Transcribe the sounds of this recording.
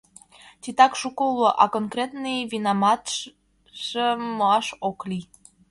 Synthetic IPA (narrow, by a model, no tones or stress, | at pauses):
t̪it̪ɑkʃukoloʔɑkonkrʲet̪nɨjβinamɑt̪ | ʒəmːoɑʃoklʲij